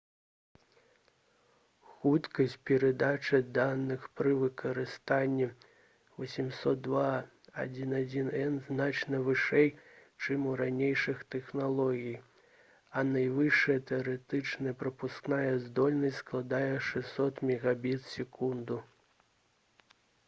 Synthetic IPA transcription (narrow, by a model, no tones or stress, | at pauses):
xut̪kɐsʲt͡s̚ʲpʲɛɾɛd̪at͡ʂɨd̪anːɨxpɾɨvɨkʰɐɾɨst̪anʲːɛ | vɐsʲimsɔt̪̚d̪ːva | a̰d͡zʲinad͡zʲinɛnznat͡ʂnɐvɨʂɛjt͡ʂɨmuɾanʲejʂɨxt̪ɛxnalˠɔɣʲij | ɐnajvɨʂɐjɐt̪ɛɐɾɛt̪ɨt͡ʂnɐjɐpɾɐpusknajɛzd̪ɔlʲnɐsʲtʲsklˠad̪ajɛʂɛsɔt̪mʲɛɣabʲit̪sʲɛkund̪u